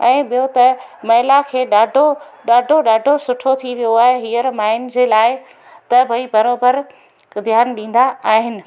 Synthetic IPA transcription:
ɛ̃ːɓijot̪ɐmɐɦɪlakʰeːɗaːɖʱoɗaːɖʱoɗaːɖʱosʊʈʰot̪ʰiʋijoaːɦeɦiːəɾmaːɪnd͡ʑeːlaːɪ | t̪ɐbʱɐibɐɾoːbəɾ | d̪ʱjaːnɗĩːn̆d̪aaːɦɪnɪ̆

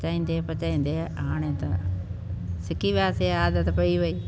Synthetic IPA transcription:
t͡ʃaːĩːn̆d̪epɐt͡ʃaːĩːn̆d̪eãːɽ̃ẽt̪ɐ | sɪkiʋɪjaːseaːd̪ət̪pɐiʋɐiː

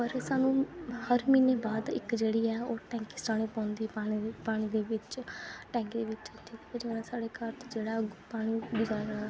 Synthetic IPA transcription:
pəɾsaːnũːhəɾmiːneːbaːd̪ɪ̰kd͡ʒeːɽiːɛːoːʈɛ̃ːŋkɪsʈaːɽ̃ẽːpãːnd̪iːaːpaːɽ̃iːd̪eːʋɪt͡ʃʈɛ̃ːŋkd̪eːʋɪt͡ʃʈʰiːkɛːd͡ʒɪnãːsaːɽeːkəɾt̪ːd͡ʒeːɽaːɡpaːɽ̃iːbɪd͡ʒaːɾaː

